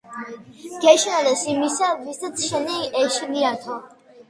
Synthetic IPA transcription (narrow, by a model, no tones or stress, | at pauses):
ɡ̥ɛʃnalɛsimisavist̪at̪sʰʃɛniɛʃniat̪ʰɔ